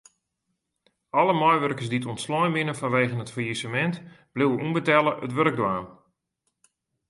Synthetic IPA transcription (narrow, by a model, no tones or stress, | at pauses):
ɔləmɔjʋərkərs̬ditɔntslɔjnʋɪnəfanʋejɣənətfərjisəmɛntb̥liwəumbətɛlˠəʔətʋøɾəɡ̚dwaːm